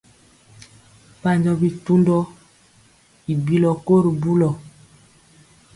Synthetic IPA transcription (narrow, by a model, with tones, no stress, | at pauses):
pa˨ɲd͡ʒɔ˦bi˨tu˦ndɔ˦ | i˨bi˦lɔ˨ko˦ɾi˨bu˦lɔ˨